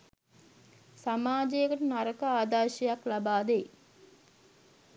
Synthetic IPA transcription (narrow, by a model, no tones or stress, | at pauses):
samaːd͡ʒejəkəʈunaɾəkəaːd̪aːʃejaklabaːd̪ej